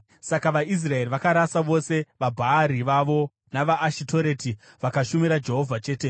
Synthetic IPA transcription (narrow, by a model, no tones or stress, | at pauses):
sakaʋais̬rae̞riʋakaɾasaʋo̞se̞ʋabʱaːɾiʋaʋo̞ | naʋaʔːʃitʰo̞ɾe̞ːti | ʋakaʃumiɾad͡ʒe̞ɦo̞vʱat͡ʃe̞ːte̞